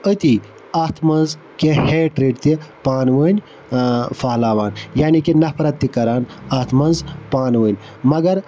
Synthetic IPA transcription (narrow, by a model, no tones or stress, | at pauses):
ət̪i | aːt̪ʰmɐnz | keheːʈɾeːɖt̪ipaːnʋəːnʲ | faːlaːʋaːnjaːnikinɐpʰɾɐt̪ːikɐɾaːnaːt̪ʰmɐnzpaːnʋəːnʲ | mɐɡɐɾ